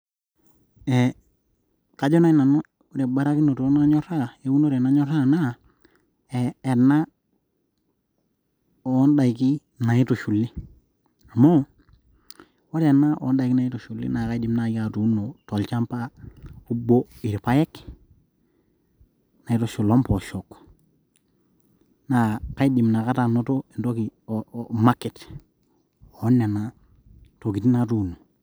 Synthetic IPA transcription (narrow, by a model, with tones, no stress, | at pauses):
e˨ | ka˨d͡ʒo˦na˦i˦na˨no˦ | ɾe˨ba˦ɾa˦ki˦no˨to˦na˦ɲo˦ɾa˦˨e˨˦wu˦no˦ɾe˨na˦ɲo˦ɾa˦˨na˦ | eː˨nːa˦ | o˨˦nda˨i˨ki˦ | na˨ji˦to˨ʃu˨lːi˦ | a˨mo˦ | wa˦ɾa˨nːa˦ʔo̰ː˨˦nda˨jki˦na˨i˦to˨ʃu˨lːḭ˦na˨ka˦i˦di˨mna˦ja˨tu˦nːo˨to˨lt͡ʃa˦mpa˦u˦bo˦i˨ɾpa˦je˦k | na˨i˦to˨ʃu˨lo˦mpo˨ʃo˨k | na˨ka˦i˦di˨mna˨ka˦ta˨no˦to˦e˨nto˦ki˨oma˦kːi˨t | o˨˦nːe˨na˦ | to˨ki˨ti˦na˦tuː˦nːo˨